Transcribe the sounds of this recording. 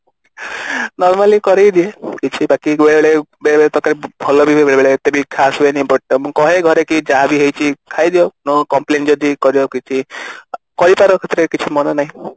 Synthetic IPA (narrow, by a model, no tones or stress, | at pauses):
nɔɾmalikɔɾejd̪iekit͡ʃʰibakibeɭebeɭebeɭebeɭet̪ɔkaɾibʱɔlɔbibʱbeɭebeɭet̪ebikʰasuenĩpɔʈːɔmũkɔɦeɡʱɔɾekid͡ʒaɦabiɦejt͡ʃʰikʰajd̪iɔnɔkɔmplend͡ʒɔd̪ikɔɾiɔkit͡ʃʰi | kɔɾipaɾɔkʰet̪ɾekit͡ʃʰimɔnɔnaɦĩ